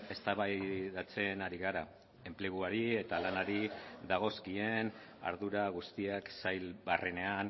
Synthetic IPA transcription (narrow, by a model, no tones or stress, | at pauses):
e̞st̪aβajðat͡se̞naɾiɣaɾa | e̞mple̞ɣuaɾie̞t̪alanaɾiðaɣ̞o̞skie̞n | a̰ɾðuɾaɣ̞ust̪iaksajlβarene̞an